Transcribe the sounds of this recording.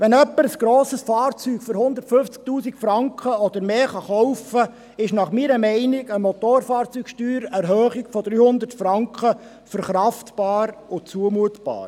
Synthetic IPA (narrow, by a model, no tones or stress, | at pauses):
ʋɛnœpːəɾəsɡ̥ɾoːsəsfɑːɾt͡syːɡ̥føɾhʊnd̪əɾtfɵnft͡sk̚t̪uːsikfɾɑŋkχəɔd̪əɾmeːχɑχɔwfə | ɪʃnɑχmiɾəmɛɪniɡəmɔt̪oːɾfɑːɾt͡sykʃtyːɾɛɾɦœːχiɡ̥fɔd̪ɾyːhʊnd̪əɾtfɾɑŋkχə | fəɾχɾɑftb̥ɑːɾʊt͡suəmuətb̥ɑ̰ːɾ